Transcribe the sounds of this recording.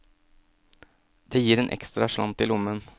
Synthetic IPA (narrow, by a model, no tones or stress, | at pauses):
d̪̥eːjiːɾeːnʔɛ̰kst̪ɾɑʂlɑmt̪ɪlʊmːən